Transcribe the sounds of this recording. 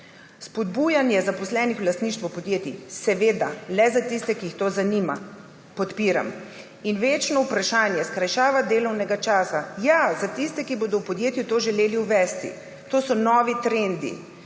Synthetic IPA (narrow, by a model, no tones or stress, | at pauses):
spɔd̪buːjanjɛzapɔslɛːnixwlast̪niːʃt̪ʋɔpɔd̪jeːt̪isɛʋeːd̪alɛzat̪ist̪ɛkiixt̪oːzanima | pɔt̪piːɾa̰m | inʋeːt͡ʃnɔupɾaʃaːnjɛskɾajʃaːʋad̪eːlɔwnɛɡat͡ʃaːsajazat̪ist̪ɛkiboːd̪ɔwpɔd̪jeːt̪jut̪oːʒɛleːliuʋɛst̪ḭ | t̪oːsɔnɔːʋit̪ɾend̪ḭ